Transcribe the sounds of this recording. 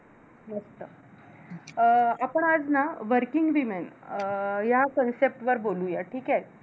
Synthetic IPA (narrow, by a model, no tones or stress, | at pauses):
nəst̪ə | apəɳad͡znaʋəɾkiŋɡʋimen | jakənsep̚ʈʋəɾbolũjaʈʰiːkae